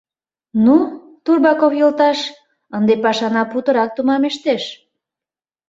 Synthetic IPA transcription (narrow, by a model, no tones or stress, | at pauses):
nu | t̪urbɑkofjəlt̪ɑʃ | ənd̪epɑʃɑnɑput̪əɾɑk̚t̪umɑmeʃt̪eʃ